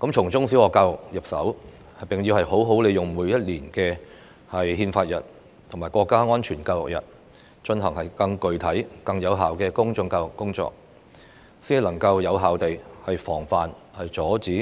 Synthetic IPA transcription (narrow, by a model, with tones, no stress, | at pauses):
kɐ˨˥mt͡ʃʰʊ˨˩ŋt͡sʊ˥ŋsi˨˥wɔː˨˧kaː˧wʊ˨k̚jɐ˨p̚sɐ̰˨˥w | hpɪ˨ŋjiː˧whɐ˨jho˨˥wɦo˨˥wle˨˧jʊ˨ŋmuː˨˥jɐ˥t̚liː˨˩nkɛː˧ | hɐ˨jhiː˧nfaː˧t̚jɐ̰˨˩t̚ | t̪ʰŋmaː˨˩jkɔː˧kːaː˥ŋɔː˥nt͡ʃʰyː˨˩nkaː˧wjʊ˨˩k̚jɐ̰˨t̚ | t͡ʃɵ˧nɦɐ˨˩ŋhɐ˨˩jkɐ˧ŋkɵ˨˧ɥt̪ʰɐ˨˥jkɐ˧ŋjɐ˨˧wɦaː˨wkɛː˧kʊ˥ŋt͡sʊ˧ŋkaː˧wʊ˨˩kːʊ˥ŋt͡sɔ̰ː˧k̚ | siː˨˥n˨lɐ˨˩ŋkɐ˧wjɐ˨˧wɦaː˨wt̪e˨jhɐ˨jfɔː˨˩ŋfaː˨n | hɐ˨jt͡sɔː˨˥t͡siː˨˥